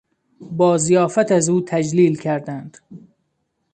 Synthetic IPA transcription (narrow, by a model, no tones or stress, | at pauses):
bɒːzijɒːfæt̪æzuːt̪ʰæd͡ʒliːlcʰæɾd̪ænd̪̥